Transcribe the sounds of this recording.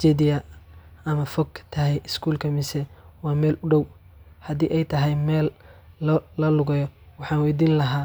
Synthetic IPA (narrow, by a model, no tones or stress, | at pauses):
t͡ʃɛd̪ɪjɐɐmɐfɔkt̪ʰɐɦɛjɪskʰuːlkʰɐmɪsɛwɑːmɛːlʔʊɖɔw | hɐd̪iːʔɛjt̪ʰɐɦɛjmɛːlːɐːɐlʊɣɐjɔwɑħɑːnwɛjd̪iːnlɐɦaː